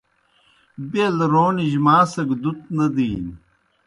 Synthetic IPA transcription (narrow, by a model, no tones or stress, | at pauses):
belɾoːniʑmaːsɐɡd̪ut̪nɐd̪iːn